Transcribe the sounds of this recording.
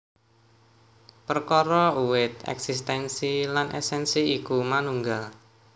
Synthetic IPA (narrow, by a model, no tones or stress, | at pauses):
pərkɔɾɔuwɪt̪ɛ̰ksist̪ɛnsilanʔɛ̰sɛnsiikumanuŋɡal